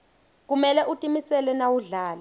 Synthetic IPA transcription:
k̬umɛlɛʔutʼimisɛlɛnawuɮaːlɛ

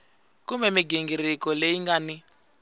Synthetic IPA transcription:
kumɛmiɡiŋɡiɾikɔleiŋɡani

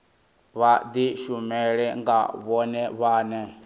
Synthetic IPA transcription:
βad̪iʃumɛɺɛŋɡa̰βɔnɛβaːnɛ

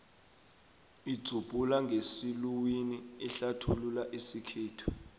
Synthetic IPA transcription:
id̥z̥ʱub̥ʱʼulaŋʱesiluwiniːɬatʰululaʔisikʰeːtʰu̥

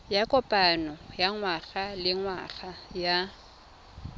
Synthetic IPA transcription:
jakʼɔpʼanɔjaŋwaχalɪŋwaχaja

